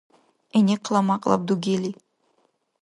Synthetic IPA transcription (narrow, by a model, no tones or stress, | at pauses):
enʲeqʰlˠɑmɑqlˠɑ̰p̚d̪uɡeli